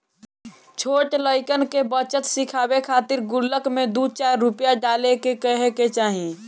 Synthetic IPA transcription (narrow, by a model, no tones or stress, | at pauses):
t͡ʃʰoːʈləɪkənkebət͡ʃət̪sɪkʰaːbekʰaːt̪ɪɾɡʊlːəkmẽd̪ut͡ʃaːɾːʊpjaɖaːlekekəɦeket͡ʃaːɦĩ